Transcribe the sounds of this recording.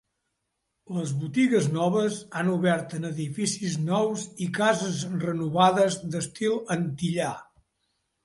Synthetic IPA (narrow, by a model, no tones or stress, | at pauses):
ləzβut̪iɣəznɔβəzanuβɛɾt̪ənəðifisiznɔwzikazəzrənuβaðəzd̪əst̪ilˠənt̪iʎa